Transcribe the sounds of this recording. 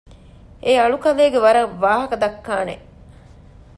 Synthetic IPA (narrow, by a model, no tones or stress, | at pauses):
eːɐɭukɐleːɡeʋɐɾɐʋaːɦɐkɐd̪ɐkːaːnḛ